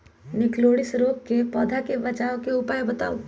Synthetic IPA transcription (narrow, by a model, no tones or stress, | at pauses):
nɪkloːɽɪsɾoːkkepɔːd̪ʱakebɐt͡ʃaːõkeʊpaːjbɐt̪a̰ːo